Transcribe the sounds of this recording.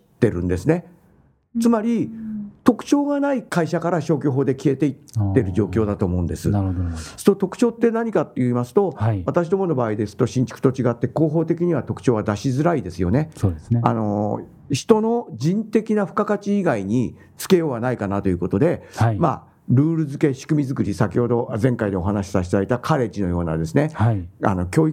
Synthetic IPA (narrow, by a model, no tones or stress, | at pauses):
t̪ːe̞ɾɯ̟̰̃nd̪e̞sɨne̞ | t͡sɨmaɾʲit̪o̞kɯ̟̥t͡ɕo̞ːɡanaikaiɕakaɾaɕo̞ːkʲoɦo̞ːd̪e̞kʲie̞t̪e̞it̪ːe̞ɾɯ̟ʑo̞ːkʲo̞ːd̪at̪o̞ːmo̞ɯ̃nd̪e̞sɨ̰nɾosot̪o̞kɯ̥t͡ɕo̞ːt̪ːe̞naɲ̟ikat̪ːejɯimasɨ̥t̪o̞at̪aɕid̪o̞mo̞no̞baːid̪e̞sɨ̥t̪o̞ɕĩɲ̟t͡ɕi̥kɯ̥t̪o̞t͡ɕiɡat̪ːe̞ko̞ːɦo̞ːt̪e̞kʲiɲ̟iβat̪o̞kɯ̟̥t͡ɕo̞ːβad̪aɕizɨɾaid̪e̞sɨjo̞ne̞soːeano̞ | çi̥t̪o̞no̞d͡ʑĩnt̪e̞kʲinaɸɯ̟̥kakat͡ɕiːɡaiɲ̟i | t͡sɨ̥ke̞jo̞ːβanaikanat̪o̞jiɯ̟ko̞t̪o̞d̪e̞hama | ɾɯ̟ːɾɯ̟zɨke̞ɕi̥kɯ̟mʲizɨkɯ̟ɾʲisakʲiho̞d̪o̞zẽ̞ŋkaid̪e̞o̞ɦanaɕi̥saɕit̪d̪ait̪akʰaɾe̞d͡ʑino̞jo̞ːna̰d̪e̞sɨne̞haa̰no̞kʲoːi